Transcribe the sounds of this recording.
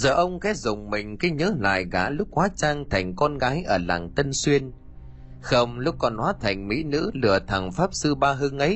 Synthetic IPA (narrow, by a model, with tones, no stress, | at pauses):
zəː˨˩ʔə˧wŋ͡mkɛ˨˦˥zʊ˨˩ŋ͡mmï˨˩ŋ̟ka˨˦ɲəː˨˦la̰ː˧˨jɣa̰ː˧˥lʊ˦˥k͡p̚hwaː˨˦˥t͡ɕaː˧ŋt̪ʰa˨˩jŋ̟kɔ˧nɣaː˨˦jʔəː˧˩la̰ː˨˩ŋt̪ə˧nswi˧ən | xə˧wŋ͡mlʊ˦˥k͡p̚kɔ˨˩nhwaː˨˦t̪ʰa˨˩jŋ̟mḭ˧˥nɨ̰˧˥lɨ̰˨˧˩ət̪ʰa˨˩ŋfaː˦˥p̚sɨ˧ɓaː˧ɦɨ˨˦ŋʔə˨˦j